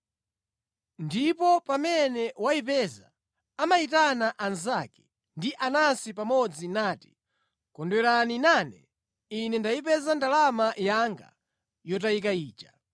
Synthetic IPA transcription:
ndipɔpamɛnɛwaipɛza | amaitanaʔanzakɛ̥ | ndiʔanasipamɔd͡zinaːti̥ | kɔndwɛɾaninanɛ̰ | inɛndaip̬ɛzandalamajaŋɡa̰ | jɔtaikaiːt͡ʃḁ

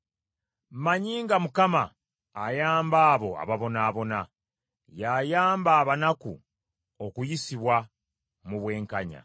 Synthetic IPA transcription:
maɲiːŋɡamukamaː | jaːmbaːβo̞a̰βaβo̞naːβo̞na | jajaːmbaːβanakṵ | o̞kujisiβwa | muβwe̞ːŋkaɲa̰

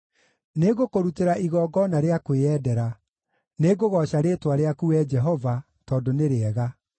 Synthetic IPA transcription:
neɣokoɾuteɾaʔiɣɔːɡɔnaɾeakweɛdɛɾa | neɡoɣɔʃaɾetwaɾeakuɛd͡ʒɛɦɔva | tɔːdoneɾeɛɣa

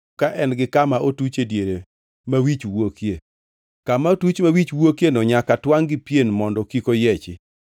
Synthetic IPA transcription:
kaʔɛnɡɪkamaʔotut͡ʃedjeɾe | mawit͡ʃwokje | kamaotut͡ʃmawit͡ʃwokjenɔɲakatwaŋɡɪpjenmɔndɔkikojɛt͡ʃɪ

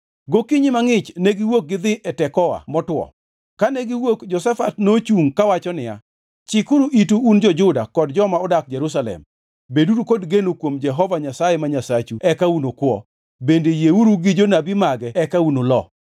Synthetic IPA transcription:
ɡokiɲɪmaŋɪt͡ʃneɡɪwok̚ɡɪd̪ɪʔɛtɛkɔa̰mɔtwɔ̰ | kaneɡɪwokd͡ʒɔsɛfatnot͡ʃuŋkawat͡ʃɔnɪja̰ | t͡ʃɪkʊɾuʔituːnd͡ʒɔd͡ʒʊdakɔdd͡ʒɔmaɔdak̚d͡ʒɛɾus̬alɛ̰m | beduɾukodɡenokwomd͡ʒɛɦɔvaɲasajemaɲasat͡ʃuɛkaunokwɔ̰ | bendejeuɾuɡɪd͡ʒonabɪmaɡɛɛkaunolɔ

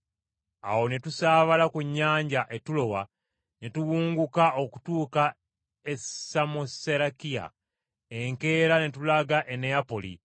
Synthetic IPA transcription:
a̰wo̞netusaːβalakuɲːaːɲɟaʔe̞tulo̞wa | netuwuːŋɡukaʔo̞ku̥tuːka | esamoseɾakija̰ | eŋke̞ːɾanetulaɡaʔeneapo̞lḭ

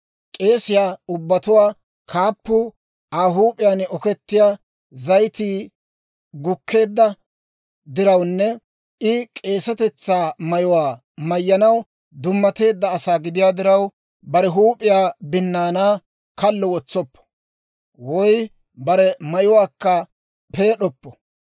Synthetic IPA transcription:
kʼe̞ːsɪjaːʊbːɐt̪ʊwaː | kʰaːpːʊ | aːɦuːpʼɪjanɔkɛt̪ːɪjaː | zɐjt̪iː | ɡʊkʰːe̞ːd̪ːɐ | d̪ɪɾɐwnːɛ | ɪkʼe̞ːsɐt̪ɛt͡sːaːmɐjʊwaː | mɐjːɐnɐw | d̪ʊmːɐt̪e̞ːd̪ːɐːsaːɡɪd̪ɪjaːd̪ɪɾɐw | bɐɾɛɦuːpʼːɪjaːbɪnːaːnaː | kɐlːɔwɔt͡sːɔpːɔ̥ | wɔj | bɐɾɛmɐjʊwaːkːɐ | pe̞ːɗɔpːɔ

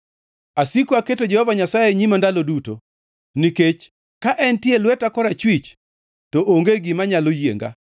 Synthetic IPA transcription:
asikoaketod͡ʒɛhɔvaɲasajeɲimandaloduto̰ | niket͡ʃ | kaʔɛntjelwɛtakɔɾat͡ʃwit͡ʃ | tɔʔoŋɡeɡɪmaɲalojḛŋɡa̰

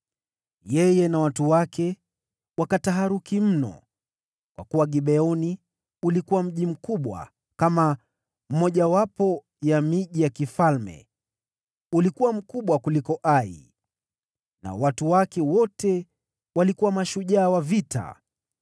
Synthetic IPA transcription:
jɛjɛnawatuwakʰɛ | wakataɦaɾukim̩nɔ̰ | kwa̰kuwaɠiɓɛɔni | ulikuwam̩ʄim̩kuɓwa̰ | kama | m̩mɔʄawapɔ | jamiʄijakifalmɛ̰ | ulikuwam̩kuɓwakulikɔʔaḭ | na̰watuwakɛwɔtɛ | walikuwamaʃuʄaːwavitʰa̰

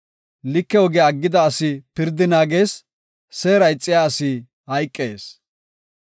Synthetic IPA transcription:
lɪkːɛwɔɡɛɐɡːɪd̪ɐːsɪpɪɾd̪ːɪnaːɡeːsː | eːɾɐjt͡sʼːɪjaːɐsɪ | hɐjkʼːeːs

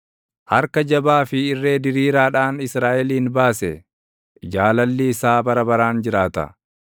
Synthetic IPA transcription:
hɐɾkɐd͡ʒɐbaːfɪɪrːe̞ːd̪ɪɾiːɾaːᶑaːnɪsɾaːʔɛliːnbaːsɛ | d͡ʒaːlɐlːiɪsaːbɐɾɐbɐɾaːnd͡ʒɪɾaːt̪ɐ̰

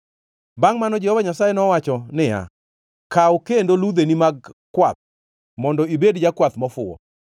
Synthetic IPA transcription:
baŋmanɔd͡ʒɛhɔvaɲasajenɔwat͡ʃɔnɪja̰ | kawkendolud̪enimaɡ̚kːwat̪̚ | mɔndɔibedd͡ʒakwat̪mɔfʊɔ̰

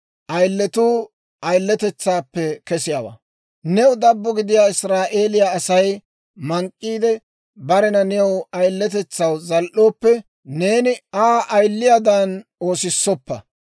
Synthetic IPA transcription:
ʔɐjlːɛt̪uː | ɐjlːɛt̪ɛt͡sːaːpːɛkɛsɪjaːwɐ̰ː | nɛʊd̪ɐbːɔɡɪd̪ɪjaːɪsɾaːʔe̞ːlɪjaːsɐj | mɐŋkʼːiːd̪ɛ | bɐɾɛnɐnɛwɐjlːɛt̪̬ɛt͡sːɐwzɐlʔo̞ːpːɛ | ne̞ːnɪaːʔɐjlːɪjad̪ɐno̞ːsɪsːɔpːɐ

